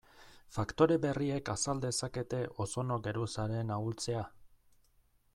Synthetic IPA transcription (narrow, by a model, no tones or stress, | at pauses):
fakt̪o̞ɾe̞βe̞rie̞kasald̪e̞sake̞t̪e̞ʔo̞so̞no̞ɡe̞ɾusaɾe̞nault͡se̞a